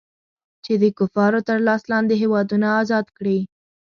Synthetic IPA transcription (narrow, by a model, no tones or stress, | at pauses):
t͡ʃed̪əkʊfɑɾot̪əɾlɑslɑnd̪eɦewɑd̪unaːzɑd̪kɽi